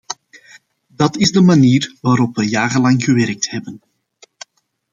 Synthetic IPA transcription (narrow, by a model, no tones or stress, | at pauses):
dɑtɪzdəmaniːrʋaːɾɔpʋəjaːɣəlɑŋɣəʋɛɾk̚thɛbən